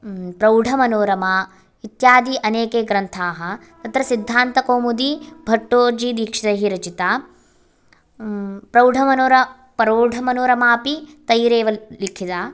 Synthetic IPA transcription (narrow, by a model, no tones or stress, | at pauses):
pɾɐwɖʱɐmɐnoːɾɐmaː | it̪jaːd̪iʔɐneːkeːɡɾɐnt̪ʰaːɦɐ | t̪ɐt̪ɾɐsid̪ʱːaːnt̪ɐkoːmud̪ibʱɐʈːoːɾd͡ʒid̪iːkʂid̪ɐɦiɾɐt͡ʃit̪aː | pɾɐwɖʱɐmɐnoːɾɐ | pɐɾoːɖʱɐmɐnoːɾɐmaːpit̪ɐjɾeːʋɐlikʰit̪aː